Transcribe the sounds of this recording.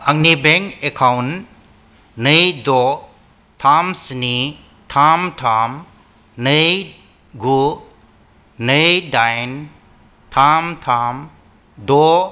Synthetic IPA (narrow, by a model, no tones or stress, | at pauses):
aŋnibeŋkekʰawn | nɯjdɔ | tʰamsni | tʰamtʰam | nɯj | ɡu | nɯjdajn | tʰamtʰam | dɔ